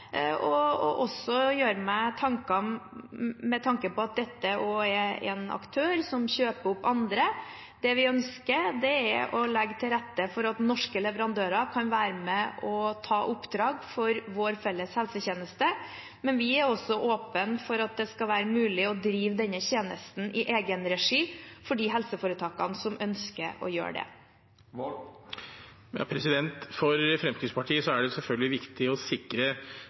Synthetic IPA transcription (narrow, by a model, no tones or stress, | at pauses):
ɔɔʔɔsɔjøːɾəmæɪt̪ʰɑŋkɑ | mɛt̪ʰɑŋkəpɔɑt̪̚d̪ɛt̪ːəoːɛɛ̰nɑ̰kt̪ʰøːɾsɔmɕøːpəʊpːɑnd̪ɾə | d̪̥ɛʋɪœnskəɾd̪ɛæʔɔlɛɡːt̪ʰɪlɾɛt̪ːəfɔɾɑt̪nɔʂkəlɛʋəɾɑnd̪øːɾɑkʰɑnʋæːɾəmɛʔɔt̪ʰɑːʔʊpːd̪ɾɑːɡfɔɾʋoːɾfɛlːəshɛlsəçeːnəst̪ə | mɛnʋɪæɾɔsːɔʔoːpənfɔɾɑt̪̚d̪ɛskɑʋæːɾəmʉːlɪɔd̪ɾiːʋd̪ɛnːəçeːnə̰st̪n̩ʔɪʔeːɡənɾɛʂiːfɔɖiːɦɛlsəfoːɾət̪ʰɑːkɑnsɔmʔœnskə̰ɾɔ̰jø̰ːɖɛ̰ | ɑ̰pʰɾɛsɪd̪ɛnt̪fɔɾfɾɛmsiːspɑʈʰiːəsɔæɖɛsɛlfœlɡəlɪʋɪkt̪ɪɔsɪkɾə